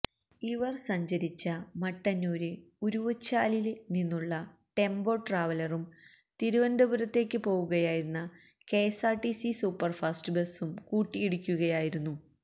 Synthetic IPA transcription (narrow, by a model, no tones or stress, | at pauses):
iʋɐrsɐɲd͡ʑɐɾit͡ɕːɐmɐʈːɐnoːɾɨ | uɾuʋɐt͡ɕːaːlilninːuɭːɐ | ʈe̞mbo̞ːʈraːʋɐlɐrum | t̪iɾuʋɐnd̪ɐbuɾɐt̪ːe̞ːkʲːɨpo̞ːɣuɣɐjaːjiɾunːɐ | ke̞ːsaːrʈisisuːpːɐrfɐstɨbe̞sumkuːʈːijeɽukʲːuɣɐjaːjiɾunːu